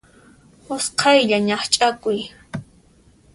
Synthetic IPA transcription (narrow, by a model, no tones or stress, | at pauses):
ʊsqʰɑjʎaɲɑχt͡ʃʼakʊj